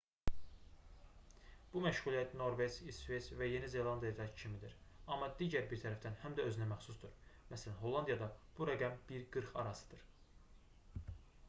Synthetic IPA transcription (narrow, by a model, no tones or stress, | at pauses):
b̥umæʃʁulˠijæt̪no̞ɾve̞d͡ʒisve̞svæje̞nize̞lˠɑnd̪ijɑd̪ɑcʰimid̪iɾɑmːɑd̪iːɟæɾbiɾt̪ʰæɾæfd̪ænhæmd̪æø̞zynæmæχsusd̪uɾmæsælænɦo̞lˠːɑnd̪ijɑd̪ɑb̥uɾæɡæmbiɾɡɯɾχɑ̰ɾɑsɯ̥d̪̥ɯɾ